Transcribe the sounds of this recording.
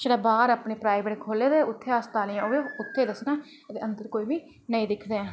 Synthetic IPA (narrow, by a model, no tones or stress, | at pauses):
t͡ʃɽaːbaːɾaːpɳeːpɾaːɪbeːʈkʰoːleːd̪eːʊt̪ʰːeːaːst̪aːlijãoːeʊt̪ʰːeːd̪əsnãː | d̪eːə̃nd̪əɾkoːiːbiː | nəĩːd̪ɪkʰd̪eːɛ̃ː